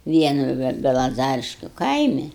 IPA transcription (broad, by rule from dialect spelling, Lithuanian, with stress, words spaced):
ˈʋʲiɛnʊ ʋʲɛ bʲɛlˠɐˈzɑːrʲɪʃʲkʲʊ ˈkɐɪmʲɪ